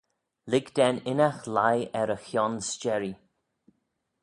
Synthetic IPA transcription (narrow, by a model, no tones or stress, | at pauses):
lɪɡd̪ɛnɪnaxlajɛɾəxjɔnst͡ʃɛɹi